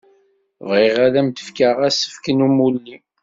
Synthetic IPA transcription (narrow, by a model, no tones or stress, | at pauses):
vʁiʁælæmt̪ə̥fkəʁæsə̥fkənumulːi